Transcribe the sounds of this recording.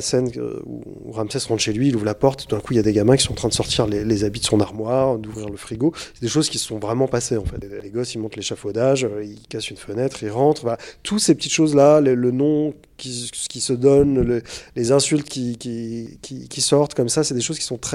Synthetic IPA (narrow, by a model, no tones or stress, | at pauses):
sɛnø̰ṵ | ʁamsɛsʁɑ̃d̪ʃelɥiːluvʁlapɔʁt̪t̪ːud̪ɛ̃kuiljad̪eɡamɛ̃kʲisɔ̃ɑ̃t̪χɛ̃d̪əsɔʁt̪iʁlelezabid̪əsɔ̃naʁmwaʁd̪uvʁiʁləfχiɡosɛd̪eʃozkʲi̥sə̥sɔ̃vʁɛmɑ̃paseɑ̃fɛt̪aleɡɔsilmɔ̃t̪leʃafod̪aʒøilkasynfənɛt̪χilʁɑ̃t̪χvat̪ʰut̪sepət̪it̪ʃozlalələnɔ̃ | kʲisə̥kʲisəd̪ɔnlelezɛ̃sylt̪kʲikʲikʲikʲisɔʁt̪kɔmsasɛd̪eʃoz̥kʲi̥sɔ̃t̪χɛ